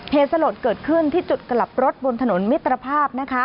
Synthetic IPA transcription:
heː˨˩t̪̚sa˧loː˨˩t̪̚kɤː˨˩t̪̚kʰɯ˥˩nt̪ʰiː˥˩t͡ɕu˨˩t̪̚ka˧la˨˩p̚ɾo˦˥t̪̚bo˧nt̪ʰa˧no˩˦nmi˦˥t̪ːɾa˧pʰaː˥˩p̚na˦˥kʰa˦˥

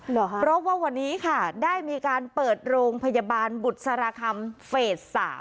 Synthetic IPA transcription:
pɾɔ˦˥waː˥˩wa˧nːiː˦˥kʰa˥˩daː˥˩jmiː˧kaː˧npɤː˨˩t̪̚ɾoː˧ŋpʰa˧jaː˧baː˧nbu˨˩t̪̚sa˧ɾaː˧kʰa˧mfeː˨˩t̪̚sa̰ː˩˦m

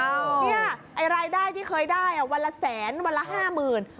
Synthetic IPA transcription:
ni˥˩ɐʔa˧jɾaː˧jdaː˥˩jt̪ʰiː˥˩kʰɤː˧jdaː˥˩jʔa˨˩wa˧nla˧˥sɛː˩˦nwa˧nla˦˥ɦaː˥˩mɯː˨˩n

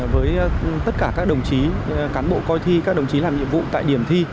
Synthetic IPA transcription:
vəː˨˦jt̪ə˦˥t̚kaː˧˩kaː˦˥k̚ɗə˨˩wŋ͡mt͡ɕi˨˦kaː˨˦nɓo̰˧˨kɔ˧jt̪ʰi˧kaː˦˥k̚ɗə˨˩wŋ͡mt͡ɕi˨˦laː˨˩mɲḭ˧˨əmvṵ˧˨t̪a̰ː˧˨jɗi˧˩əmt̪ʰi˧

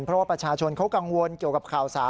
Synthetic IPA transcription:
npʰɾɔ˦˥˩waː˥˩pɾa˧˩t͡ɕʰaː˧t͡ɕʰo˧nkʰa˦˥wka˧ŋwo˧nki˨˩əka˨˩p̚kʰaː˨˩wsaː˩˦

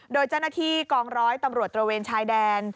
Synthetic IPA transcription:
doː˧jt͡ɕa˥˩wna˧˥t̪ʰiː˥˩kɔː˧ŋɾɔː˦˥jt̪a˧mɾu˨˩ət̪̚ːɾa˧weː˧nt͡ɕʰaː˦˥jdɛː˧n

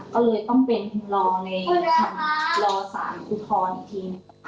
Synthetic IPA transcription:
kɔː˥˩lɤː˧jt̪ɔ˥˩ŋpe˧nlɔː˧na˧jjkʰa˧n˥lɔː˧sa̰ː˩˦nʔu˧t̪ʰɔː˧n˨˩t̪ʰiː˧n˧

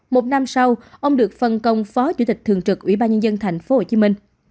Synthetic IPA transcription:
mo˨˩t̚na˧msa˧wʔə˧wŋ͡mɗɨ˨˩ək̚fə˨˩nkə˨˩wŋ͡mfɔ˨˦t͡ɕu˧˥t̪ï˨˩k̟̚t̪ʰɨ˨˩əŋt͡ɕɨ˨˩k̚ʔwḭ˧˩ɓaː˧nɲə˧nzə˧nt̪ʰa˨˩jŋ̟fo˨˦ho˧˨˩t͡ɕi˨˦mï˧ŋ̟

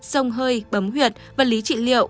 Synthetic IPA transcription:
sə˧wŋ͡mɦəː˧jɓə˨˦mɦwi˨˩ət̚vaː˨˩li˨˦t͡ɕḭ˧˨lḭ˧˨əw

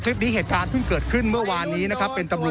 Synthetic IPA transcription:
t͡ɕ̪ʰi˦˥p̚niː˦˥ɦeː˨˩t̪̚kaː˧npʰɯ˥˩ŋkɤː˨˩t̪̚kʰɯ˥˩nmɯ˥˩ɐwaː˧nːiː˦˥na˦˥kʰa˦˥pːe˧nt̪a˧mɾu˨˩

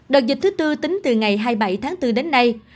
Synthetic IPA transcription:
ɗɨ˨˩k̚zi˨˩k̚t̪ɨ˨˦t̪ɨ˧t̪ï˨˦ŋ̟t̪ɨ˨˩ŋa˨˩jɦaː˧jɓa˧˩jt̪ʰaː˨˦ŋt̪ɨ˧ɗe˨˦nːa˧j

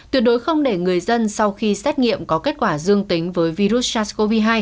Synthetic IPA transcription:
t̪wi˨˩ət̚ɗo˨˦jjxə˧wŋ͡mɗe˧˩ŋɨ˨˩əjzə˧nsa˧wxi˧sɛː˦˥t̟̚ŋḭ˧˨əmkɔ˨˦ke˦˥t̚kwaː˧˩zɨ˧əŋt̪i˨˦ŋ̟vəː˨˦jvi˧ɾu˦˥t̚t͡ɕaː˧sko˧vi˧ɦaː˧j

